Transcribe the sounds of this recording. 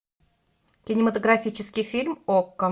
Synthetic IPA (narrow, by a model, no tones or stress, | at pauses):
kʲɪnʲɪmət̪əɡɾafʲit͡ɕɪskʲɪjfʲilʲmokːə